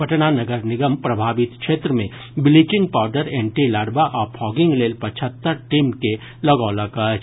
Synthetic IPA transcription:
pɐʈnanɐɡəɾnɪɡəmpɾɐbʱaːʋɪt̪kʃeːt̪ɾəmẽ | bɪlit͡ʃɪ̃ŋɡ̚paːɾɖəɾẽːɳʈilaːɽbaʔɔːɾpʰɔːɡɪ̃ŋɡleːlpɐt͡ʃʰət̪ːəɾʈiːmke | lɐɡɔːləkət͡ʃ

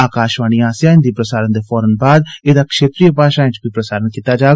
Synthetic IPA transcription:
aːkaːʃʋaːñiːaːsjaːɪnd̪iːpɾəsaːɾənd̪eːfʰɔːɾənbaːd̪eːd̪aːkʃeːt̪ɾijəpaːʃaːɪ̃t͡ʃbiːpɾəsaːɾənkiːt̪aːd͡ʒaː

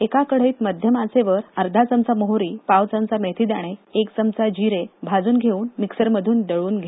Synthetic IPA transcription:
ekakəɽ̤əiːt̪məd̪ʱjəmat͡seʋəɾəɾd̪ʱat͡səmt͡saməɦoɾiːpaʋwt͡səmt͡samet̪ʰid̪aɽ̃eekt͡səmt͡sad͡ʑiɾebʱad͡zuːnɡʱeuːnmiksəɾməd̪ʱuːnɖəɭuːnɡʱe

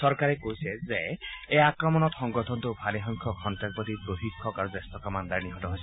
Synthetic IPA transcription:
sɔɾkaɾekoɦisʰezeeakɾɔmɔnɔt̪sɔŋɡɔt̪ʰɔnt̪upʰaliɦɔŋkʰɔkʰɔntɾak̚pɔt̪ipɾoɦikkʰːɔkaɾudest̪ɔkamand̪aɾniɦɔtɔɦojsʰ

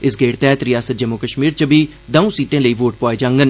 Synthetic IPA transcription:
ɪsɡeːɽt̪ɛːt̪ɾɪjaːsət̪̚d͡ʒəmːokəʃmiːɾt͡ʃəbʱiː | d̪əũːsiːʈẽːləiːʋoːʈ̚pɔːed͡ʒãŋɡən

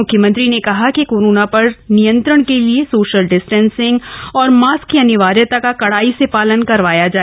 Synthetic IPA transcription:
ʊkʰjəmə̃nt̪ɾinekɐɦakikoːɾoːnapɐɾnijə̃nt̪ɾəɽ̃keliesoːʃəlɖɪsʈɛ̃ːnsɪ̃ŋɡɔːɾmaːskːiɐnɪʋaːɾjət̪akakɐɽaːisepaːlənkɐɾʋaːjad͡ʒaː

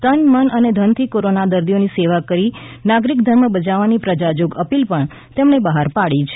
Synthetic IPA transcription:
t̪ənmənəned̪ʱənt̪ʰikoɾonad̪əɾd̪ijoniseʋakəɾinaɡɾikd̪ʱəɾməbəd͡ʒaʋanipɾəd͡ʒad͡ʒoɡəpilpəɳ | t̪emɳebəɦaɾpaɭit͡ʃʰ

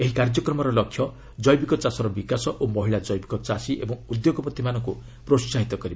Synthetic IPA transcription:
eɦikaɾd͡ʒɔkɾɔmɔɾɔlɔkʰːjɔ | d͡ʒɔjbikɔt͡ʃasɔɾɔbikasɔʔomɔɦiɭad͡ʒɔjbikɔt͡ʃasiʔebɔŋud̪joɡɔpɔt̪imanɔŋku | pɾossaɦit̪ɔkɔɾiba

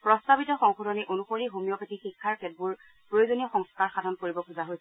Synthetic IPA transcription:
pɹɔstabitɔxɔŋxodɔnɛʔonuxoɹiɦomijɔpetixikʰːaɹkɛd̚buɹ | pɹojozonijɔxɔŋskaɹxadʱɔnkoɹibɔkʰuzaɦojs

